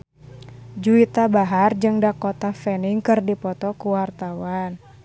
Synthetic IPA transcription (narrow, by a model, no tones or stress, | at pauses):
d͡ʒuit̪abaɦard͡ʒɨŋdakɔt̪afɛniŋkɨrdipɔt̪ɔkuwart̪awan